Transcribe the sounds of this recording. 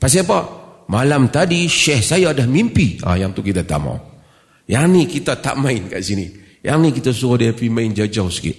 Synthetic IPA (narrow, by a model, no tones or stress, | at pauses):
pas̬iap̬amalamt̪adiʃɛhsajaːdahmimpia̰jaŋt̪ukit̪at̪a̰ʔma̰w | janikit̪at̪a̰ʔmaɪnka̰ʔsini | ja̰knikit̪asukadiapimaɪnd͡ʒad͡ʒawskɪ̰ʔ